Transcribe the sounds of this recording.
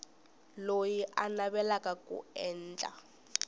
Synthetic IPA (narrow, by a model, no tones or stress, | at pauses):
lojiʔanaβɛlakakʼṵɛːnːd͡ɮʼa̰